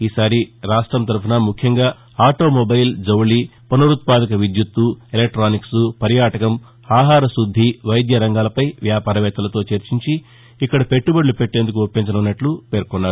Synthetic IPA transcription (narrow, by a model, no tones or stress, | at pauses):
iːsaːɾiɾaːʂʈɾɐmt̪ɐɾpɐnɐmukʰjɐŋɡaː | aːʈo̞ːmobɐjld͡ʒɐwlipɐnɐɾut̪̚paːd̪ɐk̬ɐʋid̪jut̪ːuelek̚ʈɾaːniksupɐɾjaːʈɐkɐm | aːɦaːɾɐsud̪ʱːiʋɐjd̪jɐɾɐŋɡaːlɐpɐjʋjaːpaːɾɐʋɛːt̪ɐlɐt̪o̞ːt͡ʃeɾt͡ʃiɲt͡ʃiː | kːɐɽɐpe̞ʈːubɐɽlupe̞ʈːe̞ːnd̪ukuopːiɲt͡ʃɐnɐunːɐʈlupe̞ːɾkɔnːaːɾu